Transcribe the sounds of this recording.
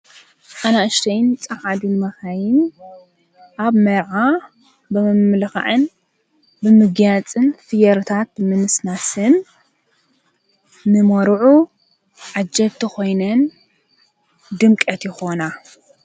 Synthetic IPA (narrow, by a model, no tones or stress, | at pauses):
ʔanaʔɨʃt̪ʰɐjnt͡sʼɐxad̪unɨmɐxajɪn | ʔaβmɐɾʕa | bɨmɨmlɨxa̰ʕɨn | bɨmɨɡjat͡sʼɨnfɨjɐɾt̪ʰat̪̚mɨnɨsnasɨn | nɨmoɾʕu | ʕad͡ʒɐβt̪ʰɨxo̞jnɐn | d̪ɨmkʼɐt̪jɪxo̞na